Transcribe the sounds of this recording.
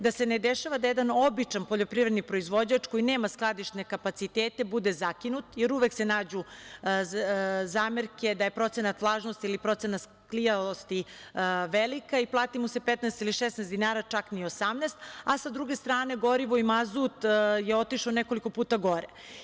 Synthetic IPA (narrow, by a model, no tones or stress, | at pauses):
d̪asened̪eʃaʋad̪ajed̪anobit͡ʃanpoʎo̞pɾivɾed̪nipɾo̞izʋo̞d͡ʑat͡ʃko̞jineːmasklˠad̪iʃt̪ne̞kapat̪sit̪eːt̪e̞bud̪e̞zakinut̪jeɾuʋe̞kse̞naːd͡ʑu | zaːmeɾke̞d̪aje̞pɾo̞t̪senat̪ʋlˠaːʒnost̪iilipɾo̞t̪senat̪s | klijalost̪i | ʋelikaiplˠaːt̪imuse̞pet̪naest̪iliʃesnɛːsd̪inaːɾat͡ʃakniosamnɛːst̪asad̪ɾuɡe̞st̪ɾaːne̞ɡo̞ɾiʋoimazut̪jeo̞t̪iʃoneko̞liko̞puːt̪aɡo̞ɾe